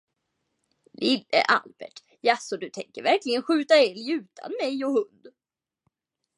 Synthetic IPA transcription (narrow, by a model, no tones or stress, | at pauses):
lɪlːə̰ʔa̰lbɛʈ | jasɔd̪ɵt̪ʰɛŋkəɾvæɾklɪɡənɧʉ̟ːt̪aɛljʉ̟ːt̪ʰa̰nmɛjɔhɵnd̪